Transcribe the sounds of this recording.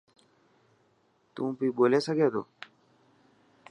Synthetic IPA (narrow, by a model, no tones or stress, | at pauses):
t̪ũːpiːboːleːsəɡeːd̪o̰ː